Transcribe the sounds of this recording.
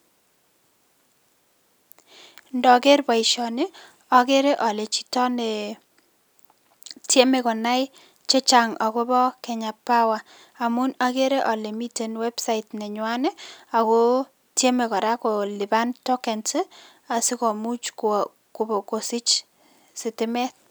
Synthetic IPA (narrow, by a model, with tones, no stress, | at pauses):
ndɔ˨ke˦rba˨i˨ʃɔ˨nɪ˦ | ɔ˨ke˦ɾe˦ʔɔ˨le˨t͡ʃi̥˨tɔ˦nɛ˨ | tje˦me˨kɔ˨na˦j | t͡ʃe˦t͡ʃa˨ŋa˨ko˦bɔ˦kɛ˨ɲa˨pːa˦waː˨ | mʊ˦na˦ke˦ɾe˦ʔɔ˨le˨mi˦te˨nwɛ˦bsa˦ɪtnɛ˨ɲwa˦nɛ˦a˨ko˦ | tje˦me˨kɔ˨ɾa˦ko˨lɪ˨ba˦ntɔ˦kɛ˨ntɪ˦ | a˨sɪ˦kɔ˨mu˦t͡ʃk | ko˨bɔ˨ko˨sɪ˦t͡ʃ | sɪ˨tɪ˦mɛ˦t̚